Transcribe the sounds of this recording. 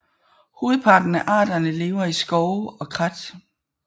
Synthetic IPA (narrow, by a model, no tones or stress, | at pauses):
hoːð̩ˠpʰɑ̈ːd̥n̩æʔɑ̰̈ːd̥ɐnəle̝ːʊɐisɡ̥ɒʊɒ̽kʰʁad̥